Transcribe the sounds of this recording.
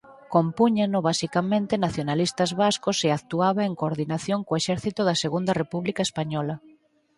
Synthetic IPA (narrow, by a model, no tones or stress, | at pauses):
kompuɲanʊβasikamẽnt̪ɪnaθjonalist̪azβaskoseakt̪uaβaeŋkoɾðinaθjoŋkoeʃɛɾθit̪ʊðɐseɣund̪ɐrepuβlikaespaɲɔlɐ